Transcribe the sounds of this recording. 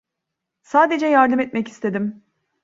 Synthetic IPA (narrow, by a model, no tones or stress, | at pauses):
saːd̪e̞d͡ʒɛjaɾd̪ɯmɛt̪̚mɛci̥st̪ʰe̞d̪im